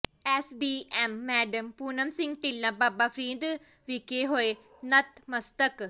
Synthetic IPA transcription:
ɛːsɖiːɛːmːɛːɖəmpuːnəmsɪ̃ŋɡ̚t̪ɪlːãːbaːbaːpʰɾĩːnd̪ | ʋɪkeːɦoːe | nət̪məst̪ək

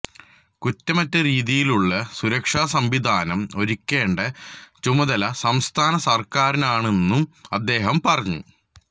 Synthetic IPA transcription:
kutːɐmɐtːɐɾiːðijiluɭːɐsuɾɐkʂaːsɐmʋid̪ʱaːnɐmo̞ɾikʲːe̞ːɳɖɐt͡ɕumɐðɐlɐsɐmst̪ʰaːnɐsɐrkaːɾinaːɳe̞nːumɐd̪ːe̞ːɦɐmpɐrɐɲːṵ

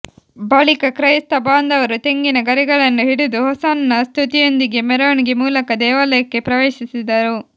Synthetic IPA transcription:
baːɭikɐkɾɐjst̪ɐbaːnd̪ɐʋɐɾut̪e̞ŋɡinɐɡɐɾɛɡɐɭɐnːuɦiɽud̪uɦɔsaːnɐnɐst̪ʰut̪ijo̞nd̪iɡe̞mɛɾɐʋɐɳiɡemuːlɐkɐd̪ɛːʋaːlɐjɐkːe̞pɾɐʋeːʃisid̪ɐɾu

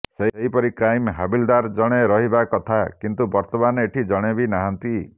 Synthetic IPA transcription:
seɦeɦipɔɾikɾajmɦabild̪aɾd͡ʒɔɽ̃eɾɔɦibakɔt̪ʰakint̪ubɔɾt̪ɔmaneʈʰid͡ʒɔɽ̃ebinaɦant̪i

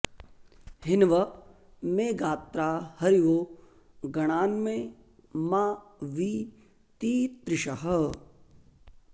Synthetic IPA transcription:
ɦɪnʋɐ | meːɡaːt̪ɾaːhɐɾiʋoː | ɡɐɽ̃aːnmẽː | maːʋiː | t̪iːt̪ɾɪʃɐɦɐ

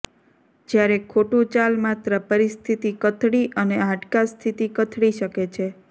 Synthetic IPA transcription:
d͡ʒjaɾekʰoʈũt͡ʃalmat̪ɾəpəɾist̪ʰit̪ikət̪ʰɽiʔəneãʈkast̪ʰit̪ikət̪ʰɽiʃəket͡ʃʰe

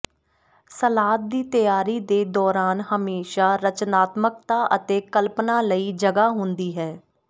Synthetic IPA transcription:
səlaːt̪̚d̪iːt̪əjaːɾiːd̪eːd̪ɔːɾaːnɦəmeːʃaːɾət͡ʃnaːt̪mək̚t̪aːʔət̪eːkəlpnaːləiːd͡ʒəɡaːɦʊnd̪iːɦɛː

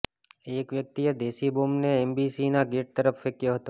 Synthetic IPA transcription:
ekʋjək̚t̪ijəd̪eʃibomneɛmbisinaɡeʈ̚t̪əɾəfːekjoɦət̪o

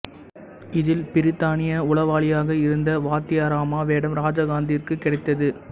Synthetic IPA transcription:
ɪðɪlpɪɾɪt̪ːaːnɪjɐʊɭɐʋaːɭɪjaːɣɐɪɾɯnd̪ɐʋaːt̪ɪjɐɾaːmaːʋeːɽɐmɾaːd͡ʒaːɣaːnd̪iɪrkɯkːɪɽɐɪt̪ːɐðɯ

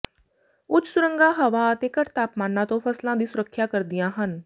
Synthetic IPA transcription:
ʊt͡ʃʰsʊɾə̃ŋɡaːɦəʋaːət̪eːkəʈt̪aːpmaːnãːt̪õːpʰəslãːd̪iːsʊɾəkʰːjaːkəɾd̪ɪjãːɦən

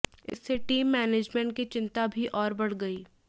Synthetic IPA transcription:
ɪ̰sːeʈiːmːɛːneːd͡ʒmɛ̃ɳʈ̚kit͡ʃɪ̃nt̪abʱiʔɔːɾbɐɽ̤ɡɐiː

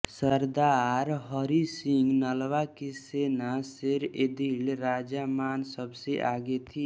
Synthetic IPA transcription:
səɾd̪aɾɦəɾisiŋɡnəlʋakesenaseɾed̪ilɾaːd͡ʒamaːnsəbseʔaɡet̪ʰi

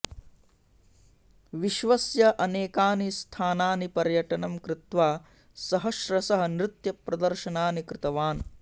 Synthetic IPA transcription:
ʋiʃʋɐsjɐʔɐneːkaːnist̪ʰaːnaːnipɐɾjɐʈɐnɐmkɾɪt̪ʋaː | sɐɦɐʃɾɐsɐɦɐ̆nɾɪt̪jɐpɾɐd̪ɐɾʃɐnaːnikɾɪt̪ɐʋaːn

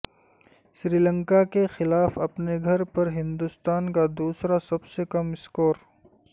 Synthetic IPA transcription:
ʃɾiːlə̃ŋkakexɪlaːfɐpneɡʱɐɾpɐɾɦɪ̃nd̪ʊst̪aːnkad̪uːsɾasɐbsekɐmɪskoːɾ

